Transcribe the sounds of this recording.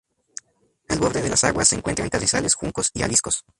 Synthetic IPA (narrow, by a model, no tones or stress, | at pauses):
alβo̞ɾðe̞ðe̞lʔasa̰ɣwasːe̞ːŋkwe̞nt̪ɾaŋkazisale̞sxuŋko̞sia̰lisko̞s